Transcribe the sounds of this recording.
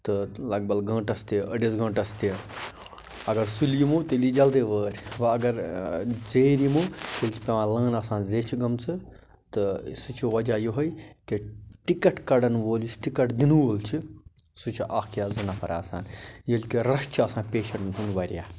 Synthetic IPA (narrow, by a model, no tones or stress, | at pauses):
t̪ɨlɐɡ̚bɐlɡɐ̃ːʈɐst̪iɐɖizɡɐ̃ːʈɐst̪i | ɐɡɐɾsuljimut̪ɨlid͡ʒɐld̪eːʋəːɾʲʋɐɐɡɐɾd͡zeːɾimutelʲt͡ʃʰi̥pʲeʋãːlɐ̃ːnɐːsaːnzeːt͡ʃʰiɡɐmt͡sʰɨ | t̪ɨsut͡ʃʰiʋɐd͡ʒajoɦojkeʈikɐʈkɐɽɐnʋoːlit͡ʃʰʈikɐʈd̪inuʋoːlt͡ʃʰi | sut͡ʃʰiʔaːkjaːzɐnapʰɐɾa̰ːsa̰ːnjilkiɾɐʃt͡ʃʰɐːsaːnpʲeːʃɐɳʈnɦunʋaːɾʲja̰ː